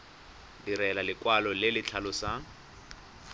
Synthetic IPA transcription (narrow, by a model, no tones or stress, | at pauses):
diɾɛlalɪkwalɔlɪlɪt͡ɬʰalɔsa